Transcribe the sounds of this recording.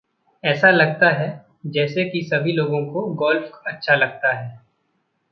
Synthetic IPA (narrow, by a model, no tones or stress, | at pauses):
ɛːsalɐɡ̚t̪aɦɛ | d͡ʒɛːsekisɐbʱiloːɡõkoɡɔːlfɐtːʃʰalɐɡ̚t̪aɦɛː